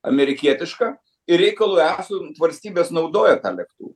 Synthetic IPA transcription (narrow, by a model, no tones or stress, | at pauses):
ɐ̰mʲɛɾʲɪkʲiɛt̪ʲɪʃkɑː | ɪɾʲɛɪkɐlˠuːæːsʊt̪ʋɐlʲsʲt̪ʲiːbʲeːsnɐʊd̪oːjɛt̪ɑ̰ːlʲɛkt̪ṵː